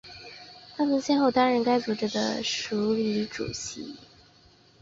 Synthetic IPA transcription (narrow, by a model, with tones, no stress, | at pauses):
t̪ʰa˥mə˨nɕjɛ˥nxo˥˩ʊt̪a˥nɻə˧˥nka˥ɪt͡su˧˩ʈ͡ʂə˨˩d̪ə̰˩ʂu˧˥li˧˥ʈ͡ʂṵ˨˩ɕḭ˧˥˦